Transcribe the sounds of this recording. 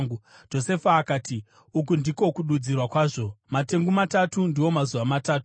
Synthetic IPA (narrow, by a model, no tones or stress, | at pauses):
ɡud͡ʒo̞se̞faːkaːti | uk̬undiko̞kuɗud͡zirwakwaːʐo̞mate̞ŋɡumatatundiwo̞mazuʋamataːtu̥